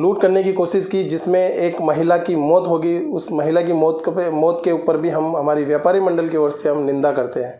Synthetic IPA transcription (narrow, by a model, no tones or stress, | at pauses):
luːʈkɐɾnekikoːʃɪʃkid͡ʒɪsmẽeːkmɐɦɪlakimɔːt̪ɦoːɡiʊsmɐɦɪlak̬imɔːt̪mɔːt̪keuːpəɾbʱiɦɐmɦɐmaːɾiʋjaːpaːɾimɐ̃ɳɖəlkeɔːɾseɦɐmnɪ̃nd̪akɐɾt̪eɦɛ̃ː